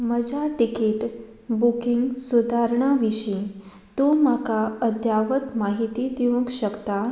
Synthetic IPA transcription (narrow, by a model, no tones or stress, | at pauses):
məd͡ʑaʈikiʈ | bukiŋɡsud̪ʱaɾɳ̃aʋiɕĩ | t̪omakaəd̪jaʋət̪maɦit̪id̪iũɡɕəkt̪a